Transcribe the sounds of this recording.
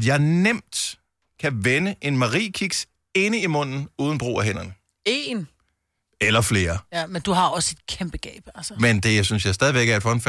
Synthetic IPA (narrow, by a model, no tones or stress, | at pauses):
d̥jɑ̈ɪnem̰d̥ | kʰæʋenəʔe̝nmɑ̈ʁḭːkʰiɡ̥s | e̝nəimɔ̽n̰n̩uːð̞ˠn̩b̥ʁo̝̰ːæɦen̰ɐnə | e̝ːn | elɐfle̝ːɐmend̥uɦɑ̈ɒ̽se̝d̥kʰemb̥əɡ̥ɛ̰ːb̥ælsəmend̥e̝synsjɑ̈ɪsd̥ɛð̞ˠiʋeɡ̥æɐed̥fɒ̽nf